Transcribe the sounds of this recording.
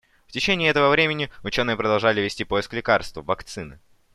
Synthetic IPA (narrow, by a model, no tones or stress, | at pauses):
ftʲɪt͡ɕenʲɪːɛt̪əvəvɾʲemʲɪnʲɪʊt͡ɕo̞nɨjəpɾəd̪ɐlˠʐalʲɪvʲɪsʲtʲipo̞jɪsklʲɪkarst̪vəvɐkt̪sɨnɨ̰